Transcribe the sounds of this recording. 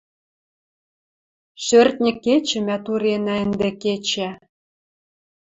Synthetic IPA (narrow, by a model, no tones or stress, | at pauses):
ʃørt̪nʲɘ̆kːet͡ɕɘ̆mæt̪uɾenæɘnd̪ĕket͡ɕæ